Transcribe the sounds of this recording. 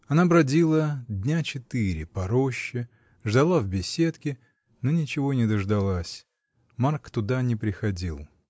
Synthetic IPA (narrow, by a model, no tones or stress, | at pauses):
ɐnabɾɐdʲilˠədʲnʲat͡ɕɪt̪ɨɾʲɪpɐɾoɕːɪ | ʐd̪ɐlˠavbʲɪsʲe̞t̪kʲɪ | nonʲɪt͡ɕɪvo̞nʲɪd̪əʐd̪ɐlˠasʲ | markt̪ʊd̪anʲɪpɾʲɪxɐdʲilˠ